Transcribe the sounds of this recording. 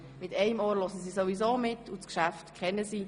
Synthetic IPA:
mɪtɛɪmoːlɔsəsiːsovizoːmɪtʰːuskʃæftkʰχɛnːəsiː

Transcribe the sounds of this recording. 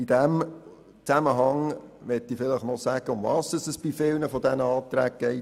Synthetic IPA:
id̥ɛm | t͡sæməɦɑŋʋɛtːifɪləχnɔsæɡ̥əʊmvɑːsəsəsb̥ifɪlnəfɔdɛnəɑːt̪ɾæːɡ̚ɡ̥ɛɪ

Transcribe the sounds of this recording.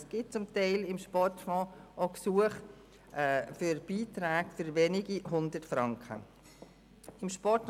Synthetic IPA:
sɡ̥ɪt̚t͡sʊmtaɪlɪmʃpɔrtfɔ̃ːʔoksuəχː | fʏɾb̥iːtɾæːɡfʏɾveːnɪɡiɦʊndətfɾɑŋkχə̰ | ɪmʃpɔɾt

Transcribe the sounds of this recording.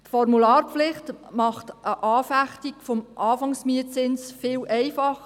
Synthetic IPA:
tfɔrmulɑːrpflɪχtmɑχtʔəʔɑːfæχtikfomʔɑːfɑŋsmiət͡sɪnsfɪːlʔɛɪfɑχ

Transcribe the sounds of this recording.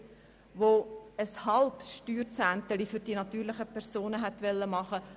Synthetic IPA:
ʋoəshɑlpsʃtyːɾt͡sænt̪əlifyɾd̥inɑt̪yːɾlɪχəpʰɛʁsoːnəɦɛt̪ʋɛlːəmɑχə

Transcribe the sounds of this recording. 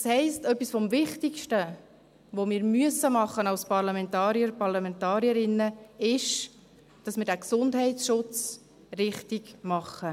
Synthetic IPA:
shɛɪstœpːisfɔmvɪχtɪkʃtə | ʋomɪːɾmyəsəmɑχːənɑʊspɑɾlɑmɛntɑːɾiəɾpɑɾlɑmɛntɑːɾiəɾɪnːəɪʃ | d̥ɑsmiɪːɾdɛksʊndɦɛɪtsʃʊt͡s | rɪχtiɡmɑχːə

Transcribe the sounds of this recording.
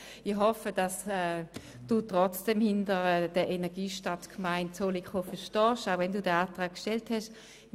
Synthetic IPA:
ɪhɔfəd̥ɑsɛ | d̥uːtʁɔt͡sd̥ɛmhɪndəd̥əʔɛnɛɐɡiːʃtatkʰmaɪntt͡solikχofɛʃtɔːʃaʊvɛnduːdɛaːtʁaːk̚kʃtɛlthɛʃ

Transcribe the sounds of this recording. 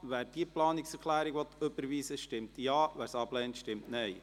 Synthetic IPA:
ʋæːɾd̥iəplɑːnɪksɛɾkʰlæːɾiɡʋɔt̪øbəɾʋiːsəʃtɪmtjɑːʋæːɾsɑblɛːntʃtɪmtnɛɪ

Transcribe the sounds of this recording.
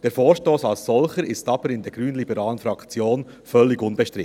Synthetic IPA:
d̥eːɾfoːɾʃtoːsɑlssɔlχəɾɪstɑbəɾɪndɛːɾɡ̥ɾyːnlibɛɾɑːlənfɾɑkt͡sjoːn | fœlːɪɡʊnbɛʃtɾɪt

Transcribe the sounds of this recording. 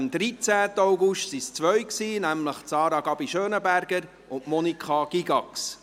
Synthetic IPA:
md̪ɾit͡sæːt̪əɑʊɡʊʃtsist͡sʋœɥksiːnæmləχt͡sɑːɾɑɡ̥ɑbiʃøːnəbæɾɡ̥əɾ | ʊntmɔnikχɑɡ̥iɡɑks

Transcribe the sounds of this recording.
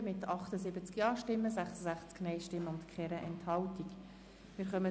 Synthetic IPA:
mɪt̪ɑχt̪əzɪbət͡skjɑːʃtɪmːəsæχsəsæχt͡sknɛɪʃtɪmːʊndkʰχɛɾəʔɛnthɑltik | mɪɾχœmə

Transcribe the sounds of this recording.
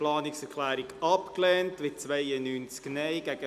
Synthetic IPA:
lɑːnɪksɛɾkʰlæːɾɪɡɑpklɛːntmɪt̚t͡sʋaɪənyːnt͡skneɪɡ̥æɡ̥ə

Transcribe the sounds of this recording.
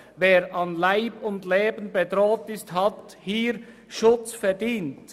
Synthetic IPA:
veːɾʔɑnlaɪbʊndleːbən̩bedɾoːtɪsthɑt | hiːɾ | ʃʊt͡sfɛɐdiːnt

